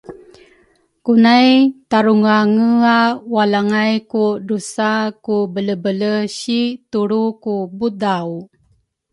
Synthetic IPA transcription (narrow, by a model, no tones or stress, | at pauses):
kunajt̪aɾuŋaŋəawalaŋajkudusakubələbələɕit̪uɾukubudaw